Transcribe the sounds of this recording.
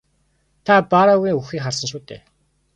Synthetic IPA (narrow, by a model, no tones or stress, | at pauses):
t̪ʰapaɾaɣiːŋuxiːkχarsə̆nʃuːt̪ʰḛː